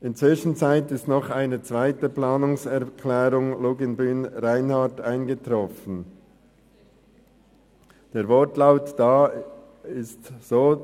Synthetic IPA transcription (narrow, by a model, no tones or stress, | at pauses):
ʔɪnt͡sv̥ɪʃn̩t͡saɪtɪstnɔχaɪnət͡sv̥aɪtəplaːnʊŋsɛɐkʰlɛːɾʊŋluːɡɪnbyːnʁaɪnhataɪnɡətʁɔfən̩ | d̥eːɐvɔtlaʊtd̥aː | ɪstz̥oː